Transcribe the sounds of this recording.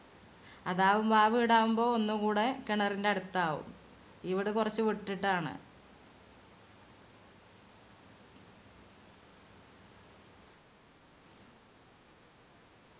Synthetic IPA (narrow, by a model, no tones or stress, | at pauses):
ɐðaːʋumbaːʋiːɽaːʋumbo̞ːonːukuːɽe̞keɳɐrindeɐɽut̪ːaːʋṵm | iʋiɽekurɐt͡ɕːɨʋiʈːiʈːaːɳɨ̰